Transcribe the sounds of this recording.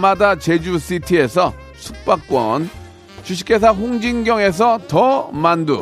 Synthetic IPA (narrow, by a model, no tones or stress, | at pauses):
madat͡ɕed͡ʑusʰitʰie̞sʰʌ | sʰuk̚p͈ak̚k͈wʌ̰n | t͡ɕuɕ̬ʰi̥k͈e̞s̬ʰaɸoŋd͡ʑiŋɡjʌŋe̞s̬ʰʌtʌmandṵ